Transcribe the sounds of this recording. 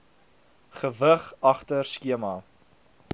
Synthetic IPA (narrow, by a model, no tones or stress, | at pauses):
χəvəχɐχtərskiəmɑː